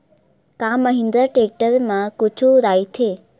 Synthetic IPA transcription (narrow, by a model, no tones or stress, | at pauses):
kãməɦɪ̃nd̪əɾʈeːk̚ʈəɾmãkʊt͡ʃʰuɾaːit̪ʰeː